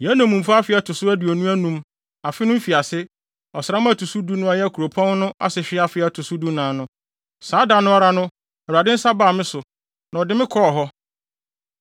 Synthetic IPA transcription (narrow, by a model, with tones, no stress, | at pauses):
jɛ˨˦nã˨mũ˨m̩˨fa˦a˦fɪ˨˦a˨tʰʊ˨sʊ˦æ˦dɪ˨ɔ˨nũ˦æ˦nũ˨m | a˨fɪ˦nʊ̃˦m̩˦fi˨a˨sɪ˦ | ɔ˨sa˦m˦a˦˨tʰu˨su˦du˦nʊ̃˦a˨jɛ˦kʰu˨ɾo˨pʰɔ̃˦n˦nʊ̃˦ʔa̰˦sɪ˨ɕᶣɪ˦a˦fɪ˦a˨tʰʊ˨su˦du˦nãː˨˦nʊ̃˦ | saː˨˦da˨nʊ̃˦a˦ɾa˦nʊ̃˦˨ | a˨dɪ˦n̩˦sa˦baː˨mɪ̃˦sʊ˨ | nã˨ɔ˨dɪ˦mɪ̃˦kʰɔ˦ɔ˨ɦɔ˦